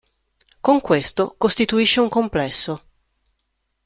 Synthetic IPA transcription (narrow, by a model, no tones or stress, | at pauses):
koŋkwest̪okost̪it̪uiʃːeuŋkomplɛsːo